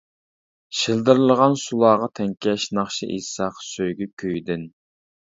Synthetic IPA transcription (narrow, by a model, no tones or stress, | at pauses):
ʃilˠd̪ɨɾɨlˠəʁɑnsulˠɑːʁɑt̪ʰɛŋkʲʰɛʃnɑχʃiʔisɑːqsøjɡʲykʲʰøjd̪ɪn